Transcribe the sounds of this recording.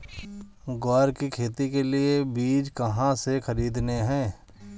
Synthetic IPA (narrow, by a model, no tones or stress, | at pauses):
ɡaːɾkikʰeːt̪ikeliebiːd͡ʒkəɦãsexəɾiːd̪neɦɛ̃ː